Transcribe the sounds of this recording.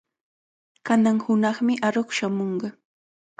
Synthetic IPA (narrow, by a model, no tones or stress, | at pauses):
kanaŋhʊnɑχmɪʔaɾoχʃamoɴɢɑ